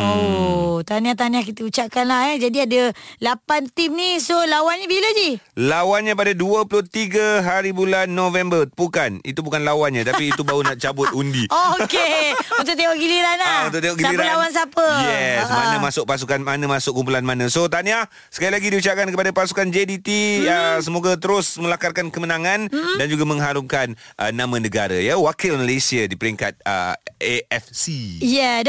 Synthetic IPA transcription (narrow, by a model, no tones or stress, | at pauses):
ot̪aniaht̪aniahkit̪əut͡ʃaʔ̚kanlahɛd͡ʒadiadəlapant̪imnisolawanɲabiləd͡ʒilawanɲãpadaduəpulʊht̪iɡəɦaɾibulanːovɛmbəpukanḭt̪ubukanlawanɲat̪apiːt̪ubaunaʔt͡ʃabʊt̪̚undiookeunt̪ʊʔt̪eŋɔʔɡiliɾanaunt̪ʊʔt̪eŋɔʔɡisaiɾalawans̬apəjɛsmanəmasʊʔ̚pas̬ukanmanə̃masʊk̚kumpulanmanə̃sot̪ania | sə̥kailaɡidiut͡ʃap̚kankəpadapasu̥kand͡ʒedit̪iasəmoɡat̪əɾʊsmə̃lakarkankəmənãŋãndand͡ʒuɡamə̃ŋɦaɾʊp̚kanʔənamãnəɡaɾajəwakɪlməlesiadipəɾiŋkat̪̚ə̰eɛfsijɛ